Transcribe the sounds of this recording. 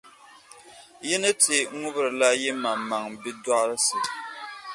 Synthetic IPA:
jɛ˦nɨ˦ti˨ŋʊ˦bɨ˦ɾɨ˨la˦jɛ˦ma˨mːa˨ŋbi˦dɔ˦ʔɾɨ˦sɨ˨

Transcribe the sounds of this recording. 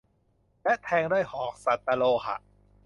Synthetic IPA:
lɛ˦˥ʔt̪ʰɛː˧ŋduː˥˩jhɔː˨˩k̚sa˨˩t̪ːa˧loː˧xʰa̰˧˩ʔ

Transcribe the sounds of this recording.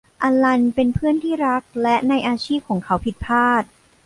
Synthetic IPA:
ʔa˧la˧npe˧npʰɯ˥˩ənt̪ʰiː˥˩ɾa˦˥k̚lɛ˦˥ʔna˧jʔaː˧t͡ɕʰiː˥˩p̚kʰɔː˩˦ŋkʰa˦˥wpʰi˨˩t̪̚pʰaː˥˩t̪̚

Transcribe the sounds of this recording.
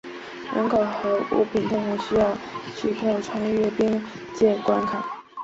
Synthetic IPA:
ɻə̰˧˥nkʰo˨˩ʊxɤ˧˥ṵ˥pʰi˨˩nt̪ʈ͡ʂʊ˧˥˩ŋɕy˥jɑ˥˩ʊt͡ɕʰy˥k̪ʰo˥˩ʊʈ͡ʂʰwa˥ŋɥɛ˥˩pi˥ŋ | t͡ɕjɛ˥˩kwa˥nkʰa˨˩˦

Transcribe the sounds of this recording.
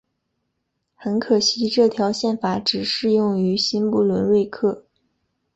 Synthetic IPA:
xə˧˥nkʰɤ˨˩ɕi˧˥ʈ͡ʂɤ˥˩t̪ʰjɑ˧˥ʊɕjɛ˥˩nfa˨˩ʈ͡ʂɻ̩˨˩ʂɻ̩˥˧jʊ˥˩ŋy˧˥ɕi˥npu˥˩lwə˧˥nɻwe˥˧ɪkʰɤ˥˩

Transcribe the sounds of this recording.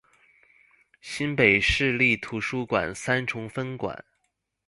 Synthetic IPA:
ɕi˥npe˨˩ɪʂɻ̩˥˧li˥˩t̪ʰu˧˥ʂu˥kwa̰˨˩nsa˥nʈ͡ʂʰʊ˧˥ŋfə˥nkwa̰˨˩˦n

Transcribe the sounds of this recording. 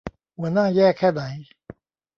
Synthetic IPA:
wɛ˨nã˦˨jɛ˦˨kʰɛ˦d̪ã˨i˦

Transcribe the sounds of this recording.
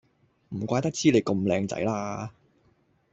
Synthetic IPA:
m̩˨˩kʷaː˧jt̪ɐ˥k̚t͡siː˥le˨˧jkɐ˧mlɛː˧ŋt͡sɐ̰˨˥jlaː˥

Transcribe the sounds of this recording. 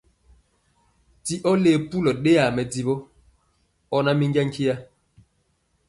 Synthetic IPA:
ti˦ʔɔ˦le˨pu˦lɔ˨ɗe˦a˨mɛ˨di˨bɔ˦ | ɔ˦na˦mi˦ŋɡa˦ŋ̩˦ki˦ja˦

